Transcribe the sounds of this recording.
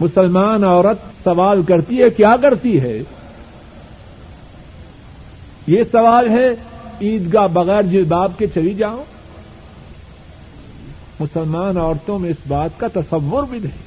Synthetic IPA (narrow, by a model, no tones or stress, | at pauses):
mʊsəlmaːnɔːɾət̪sɐʋaːlkɐɾt̪iɦɛkjaːkɐɾt̪iɦɛ | jesɐʋaːlɦɛiːd̪kabɐɣɛːɾd͡ʒɪlbaːb̚ket͡ʃɐlid͡ʒaːõ | mʊsəlmaːnɔːɾt̪õmẽɪsbaːt̪kat̪ɐsɐʋːʊɾbʱidɐĩ